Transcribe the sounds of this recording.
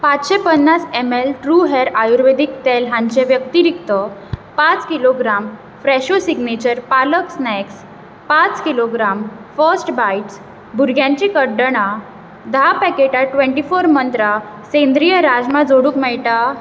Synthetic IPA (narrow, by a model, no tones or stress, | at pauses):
pat͡sɕepənːasemelʈɾuɦɛɾajuɾʋed̪ik̚t̪elɦãɲt͡ɕẽʋjəkt̪iɾikt̪əpat͡skiloɡɾam | fɾɛɕosiɡnet͡ɕəɾpaləksnɛks | pat͡skiloɡɾamfəsʈbajʈs | bʱuɾɡʱjãɲt͡ɕikəɖːəɽ̃a | d̪apɛkeʈaʈʋẽɳʈifoɾmənt̪ɾa | sẽnd̪ɾijəɾad͡zmad͡zoɽũkmɛjʈa